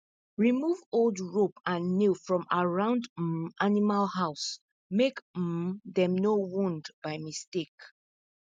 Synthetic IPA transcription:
ɹimuvolˠdɹopʰãnːifɹɔ̃maɹãʊ̃nd̩ʔanimalhaʊs | mek̩ | ðɛ̃mnowũndbaɪmistek

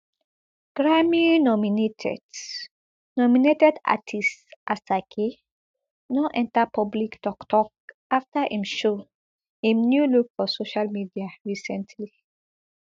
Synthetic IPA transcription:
ɡ̥ɹaminɔminetʰɛ̰d | nɔminetɛda̰tʰistʔasakʰe | nɔʔɛ̃ntapʰɔbliktɔktʰɔk̚ | aftaʔĩmʃo | hĩmnjulukfɔsoʃalmidiaɹisɛ̃ntʰli

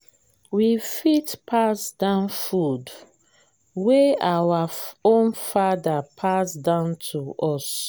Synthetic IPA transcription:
wifitpʰasdãʊ̃nfud | weawaõnfadapʰasdãʊ̃ntʰuɔs

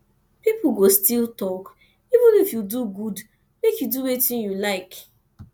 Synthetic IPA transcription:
pip̩ɡostiltɔk | ivə̃nifjuduɡud | mekjuduwetĩnjulaɪk

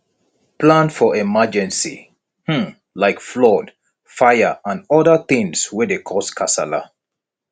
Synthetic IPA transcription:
plãnfɔɛmad͡ʒɛ̃nsḭ | h̩ | laɪkflɔd | fajəãnɔdəθɪ̃ŋswɛdekʰɔskʰasala̰

